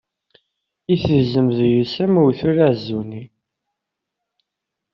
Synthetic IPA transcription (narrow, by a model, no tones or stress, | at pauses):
iθəzəmðjəsəmuwθuɾaʕzːuni